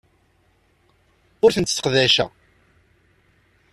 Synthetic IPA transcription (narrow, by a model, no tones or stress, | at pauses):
ʊɾθənt̪ːθə̥qðæʃæ̰